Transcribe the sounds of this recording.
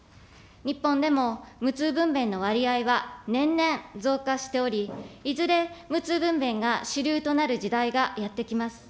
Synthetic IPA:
ɲ̟ipːõ̞nd̪e̞mo̞mɯ̟t͡sɨːbɯ̟̃mbẽ̞nːo̞β̞aɾʲiaiβanẽ̞nːẽ̞ɴd͡zo̞ːkaɕi̥t̪e̞o̞ɾʲiizɨɾe̞mɯ̟t͡sɨːbɯ̟̃mbẽ̞ŋɡaɕɨɾʲɯːt̪o̞naɾɯ̟ʑid̪aiɡajat̪ːe̞kʲimasɨ̥

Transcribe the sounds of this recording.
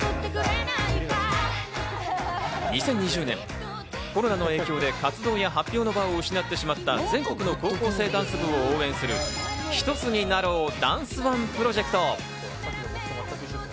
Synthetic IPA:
ɲ̟isẽ̞ɲ̟ːiʑɨːnẽ̞̰ŋ | ko̞ɾo̞nano̞e̞ːkʲo̞ːd̪e̞kat͡sɨd̪o̞ːjaɦapʲːo̞ːno̞baoɯ̟ɕinat̪ːe̞ɕimat̪ːad͡zẽ̞ŋko̞kɯ̟no̞ko̞ːko̞ːse̞ːd̪ãɰ̃sɨbɯ̟̃ooːẽ̞ɰ̃sɨɾɯ̟çi̥t̪o̞t͡sɨɲ̟inaɾo̞ːd̪ãɰ̃sɨβãmpɯ̟ɾo̞ʑe̞kɯ̟̥t̪o̞

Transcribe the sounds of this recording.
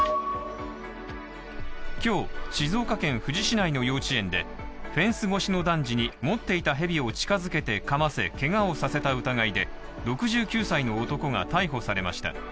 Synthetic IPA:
kʲo̞ːɕizo̞ːkakẽ̞ɰ̃ɸɯ̟ʑiɕinaino̞jo̞ːt͡ɕiẽ̞nd̪e̞̰ | ɸẽ̞ɰ̃sɨɡo̞ɕino̞d̪ãɲ̟d͡ʑiɲ̟imo̞t̪ːe̞it̪aɦe̞bʲio̞t͡ɕi̥kazɨke̞t̪e̞kamase̞̰ke̞ŋao̞sase̞t̪aɯ̟t̪aɡaid̪e̞ | ɾo̞kɯ̟ʑɨːkʲɨːsaino̞ːt̪o̞ko̞ŋa̰t̪aiɦo̞saɾe̞ma̰ɕi̥t̪a̰

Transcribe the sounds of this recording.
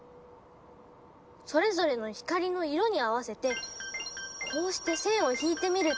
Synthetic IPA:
so̞ɾe̞zo̞ɾe̞no̞çi̥kaɾʲino̞iɾo̞ɲ̟iaβase̞t̪e̞ | ko̞ːɕi̥t̪e̞sẽ̞ɰ̃o̞çiːt̪e̞mʲiɾɯ̟

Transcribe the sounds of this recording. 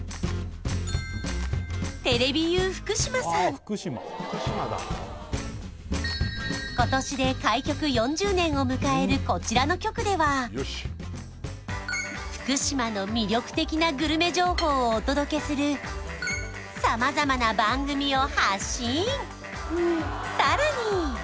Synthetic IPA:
t̪e̞ɾe̞bʲijɯːɸɯ̟̥kɯ̟ɕimasãɯ̥kɯma̰ | ɕad̪a̰ | ko̞t̪o̞ɕid̪e̞kaikʲo̞kɯ̟jõ̞ɲ̟d͡ʑɨːnẽ̞ɰ̃o̞mɯ̟kae̞ɾɯ̟ko̞t͡ɕiɾano̞kʲo̞kɯ̟d̪e̞βa | ɸɯ̟̥kɯ̟ɕimano̞mʲiɾʲo̞kɯ̥t̪e̞kʲinaɡɯ̟ɾɯ̟me̞ʑo̞ːho̞ːoːt̪o̞d̪o̞ke̞sɨɾɯ̟ | samazamanabãŋɡɯ̟mʲio̞haɕĩ | saɾaɲ̟i

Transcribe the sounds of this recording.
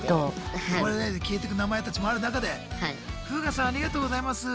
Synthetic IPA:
t̪omaɾed̪azekʲiːt̪e̞k̬ɯ̟namae̞t̪at͡ɕimo̞aɾɯ̟nakad̪e̞ha | kɯ̟ːɡasãaɾʲiɡat̪oːɡozaimasɨ

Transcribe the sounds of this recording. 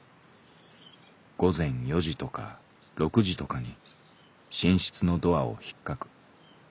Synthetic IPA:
ɡ̥o̞zẽ̞ɰ̃jo̞ʑit̪o̞ka̰ɾo̞kɯ̟ʑit̪o̞kaɲ̟i | ɕĩɰ̃ɕi̥t͡sɨno̞d̪o̞ao̞̰çi̥kːakɯ̟̥

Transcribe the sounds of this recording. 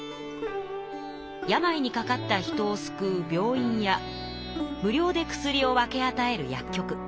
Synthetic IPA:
jamaiɲ̟ikakat̪ːaçi̥t̪o̞ːsɨ̥kɯ̟ːbʲo̞ːĩɰ̃ja | mɯ̟ɾʲo̞ːd̪e̞kɯ̟̥sɨɾʲio̞βake̞at̪ae̞ɾɯ̟ja̰kʲːo̞kɯ̟

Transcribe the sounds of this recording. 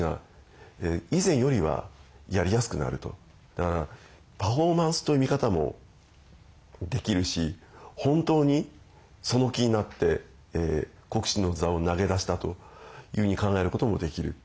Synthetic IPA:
ŋa̰ | eizẽ̞ɰ̃jo̞ɾʲiβa̰jaɾʲijasɨ̥kɯ̟na̰ɾɯ̟t̪o̞̰ | d̪̥akaɾa | paɸo̞ːmãɰ̃sɨ̥t̪o̞imʲikat̪amo̞̰ | d̪e̞kʲiɾɯ̟ɕihõ̞nt̪o̞ːɲ̟i | so̞no̞kʲiɲ̟inat̪ːe̞ | ko̞kɯ̟̥ɕino̞zao̞naɡe̞d̪aɕi̥t̪at̪o̞̰jɯ̟ːɸɯ̟ɲ̟ikãŋɡae̞ɾɯ̟ko̞t̪o̞mo̞d̪e̞kʲiɾɯ̟

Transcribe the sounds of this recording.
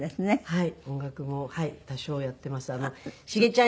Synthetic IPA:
d̪esɨnehaiõ̞ŋɡakɯ̟mo̞hait̪aɕo̞ːjat̪ːe̞masɨano̞ɕiɡe̞t͡ɕã

